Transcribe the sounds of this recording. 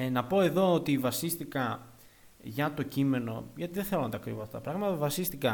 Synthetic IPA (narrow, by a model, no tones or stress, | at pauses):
nɐpo̞e̞ðo̞ot̪ivɐsist̪ikɐ | ʝɐt̪o̞cime̞no̞̰ʝɐt̪iðeθelo̞nɐt̪ɐkɾivoɐft̪ɐt̪ɐpɾɐɣmɐt̪ɐvɐsist̪ikɐ